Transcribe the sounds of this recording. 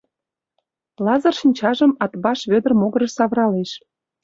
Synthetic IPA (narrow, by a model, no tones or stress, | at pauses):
lɑzərʃinʲt͡ɕɑʒəmɑt̪βɑʃβød̪ə̆rmoɣə̆ɾə̆ʃsɑβɾɑleʃ